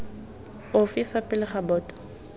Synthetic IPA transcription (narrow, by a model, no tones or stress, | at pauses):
ofifapʼɪlɪχabɔːtʼɔ̥